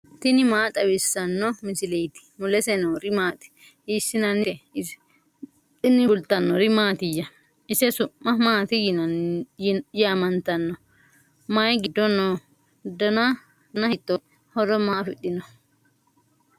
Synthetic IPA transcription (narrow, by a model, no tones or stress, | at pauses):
t̪ɪnɪmaːt̪ʼɐwɪsːɐnːɔmɪsɪlɛjt̪ɪ̥mʊlɛsɛnoɾɪmaːt̪ʼ | isːɪnɐnːɪɛ | ɪnɪbʊlt̪ɐnːɔɾɪmaːt̪ɪjːɐ | ɪsɛsʊmːɐmaːt̪ɪjɪnɐ | jamɐnt̪ɐnːɔ | majɡɪd̪ːɔnɔ | d̪ɐna | nɐhɪt̪ːɔ | hɔɾɔmaːfɪɗːɪnɔ